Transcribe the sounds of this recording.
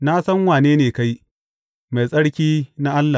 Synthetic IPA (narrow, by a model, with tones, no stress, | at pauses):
na˦sɐ˦ŋwaː˨neː˦neː˨ka˦j | ma˨jsʼɐ˦ɽkʲiː˦na˦ʔa˦lːa˨